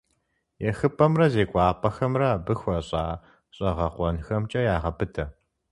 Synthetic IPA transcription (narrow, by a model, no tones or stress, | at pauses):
jɛxɨpʰɐmrɐzeːkʷʼɑːpʰʼɐxɐmrɐbɨxʷɐɕʼaː | ɕʼɐʁɐqʷɔnxɐmt͡ʃʼɐjaːʁɐpʰɨtʰɐ